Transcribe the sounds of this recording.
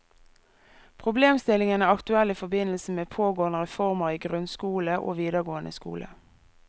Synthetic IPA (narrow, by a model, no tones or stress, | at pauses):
pʰʁʊbleːmst̪ɪlɪŋənæːɑkt̪ʉɛliːfɔbɪnlsəmeːpʰoːɡoːənəʁɛfɔʁməʁiːɡʁʉnskuːləʔo̰ːʋiːd̪əʁɡoːənə̰skṵːlʔə̰